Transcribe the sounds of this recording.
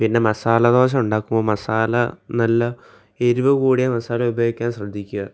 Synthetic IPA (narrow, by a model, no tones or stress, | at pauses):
pinːe̞mɐsaːlɐd̪o̞ːɕ̬ɐmuɳɖaːkːumbo̞ːmɐsaːlɐnɐlːɐ | eɾuʋɨkuːɽijamɐsaːlɐubʱjoːɡikʲːaːnɕrɐd̪ʱːikʲːuɣɐ